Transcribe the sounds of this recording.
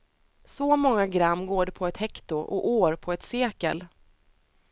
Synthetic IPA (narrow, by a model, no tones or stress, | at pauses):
sɔmɔŋːaɡɾamːɡoːɖɛpʰɔɛt̪hɛkt̪ʊʔɔ̰ʔoːɾpʰɔɛt̪seːkə̰l